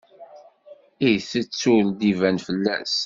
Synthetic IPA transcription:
ijθət͡sːuld̪ivænfəlːæ̰s

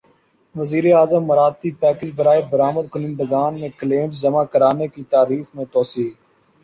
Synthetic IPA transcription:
ʋəziːɾeːaːzəmːəɾaːt̪ːiːpɛːkɪd͡ʒbəɾaːeːbəɾaːməd̪̚kʊnɪ̃nd̪əɡaːnmẽːkəleːmszəmãːkəɾaːneːkiːt̪aːɾiːxmẽːt̪oːsiː

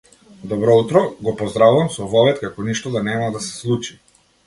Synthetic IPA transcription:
d̪ɔbɾɔut̪ɾɔɡɔpɔzd̪ɾavuvamsɔvɔvɛt̪kakɔniʃt̪ɔd̪anɛmad̪asɛ̥slˠut͡ʃi̥

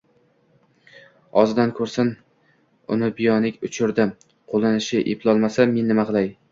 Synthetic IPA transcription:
ɒzɪd̪ankʰɵɾsɪn | ʊ̰nɪbɪjɒnɪkʲʊt͡ʃʰʊɾd̪ɪ | qʰolˠɪnɪʃɪʔɪpʰlˠɒlˠmasame̞nːɪmaqʰɨlˠaj

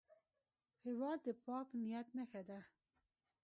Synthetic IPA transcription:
hewɑːld̪ɨpʰɑːknijɛt̪̚nɛxɛd̪ɛ

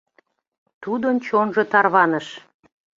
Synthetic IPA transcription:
t̪ud̪ənt͡ɕonʒɤt̪ɑrβɑnəʃ

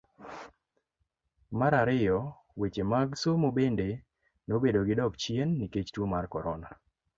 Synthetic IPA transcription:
maɾaɾɪjɔ | wet͡ʃemaɡsomobende | nobedoɡɪdɔkt͡ʃjenːiket͡ʃtwomarkɔɾɔna̰

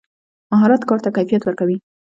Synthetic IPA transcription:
maɦɑɾat̪kɑɾt̪akajfijat̪wəɾkawi

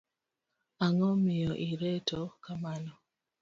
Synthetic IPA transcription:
aŋɔmɪjɔʔiɾɛtʰɔkamanɔ

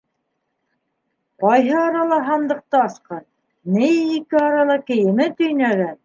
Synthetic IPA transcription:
qɑjɦɤɑɾɑlˠɑɦɑnd̪ɤ̆q̚t̪ɑɑsqɑ | nɘjikɘɑɾɑlˠɑkɘ̆jɘ̆mɘt̪ɵ̆jnæɡæn

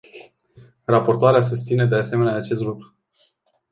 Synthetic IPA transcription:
rapo̞rt̪oaɾeas̬us̬t̪sined̪e̞ase̞me̞neaːt͡ʃe̞st̪lukɾu

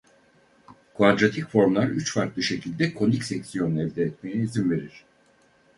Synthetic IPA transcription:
kvad̪ɾat̪ʰicfo̞ɾmlˠaɾyt͡ʃfaɾt̪lˠɯʃe̞cʰilʲd̪ɛkʰo̞nicsɛcsijo̞nɛvd̪ɛːt̪me̞jɛizimve̞ɾiɾ̝̥

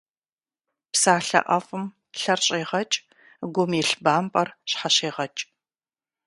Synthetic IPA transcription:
psaːɬɐ̰ʔɐfɨm | ɬɐrɕʼeːʁɐt͡ʃʼ | ɡʷʊmiɬbaːmpʼɐrɕħaɕeːʁɐt͡ʃʼ

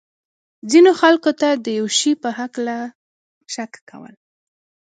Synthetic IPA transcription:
zinoxalkot̪ad̪əjawʃipəɦakla | ʃakːa̰wə̰l

